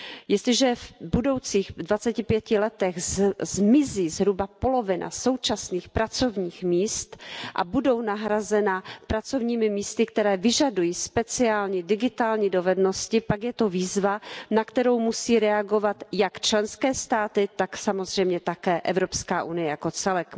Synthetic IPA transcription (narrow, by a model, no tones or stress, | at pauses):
jɪst̪lɪʒɛvbudo̞wt͡siːxdvat͡sɛcɪpjɛcɪlɛt̪ɛɣzzmɪziːzɦɾubapo̞lo̞vɪnʔa̰so̞wt͡ʃasniːxpɾat͡so̞vɲiːxmiːst̪ʔa̰budo̞wnaɦɾazɛnapɾat͡so̞vɲiːmɪmiːst̪ɪkt̪ɛɾɛːvɪʒadujiːspɛt͡sɪaːlɲidɪɡɪt̪aːlɲido̞vɛdno̞scɪpaɡjɛt̪oviːzvanakt̪ɛɾo̞wmusiːɾɛaɡo̞vat̪jakt͡ʃlɛnskɛːst̪aːt̪ɪt̪aksamo̞zr̝ɛjmɲɛt̪akɛːʔɛvɾo̞pskaːʔunɪjɛjako̞t͡sɛlɛk